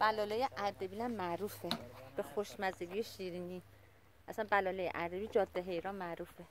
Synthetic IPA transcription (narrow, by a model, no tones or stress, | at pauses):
b̥ælɒːlejeʔæɾd̪ebilæmːæɾuːfeb̥exoʃmæzeɡijeʃiːɾiːni | ʔæsænbælɒːlejeʔæɾd̪ebid͡ʒɒːd̪̥ːeɦejɾɒnmæɾuːfe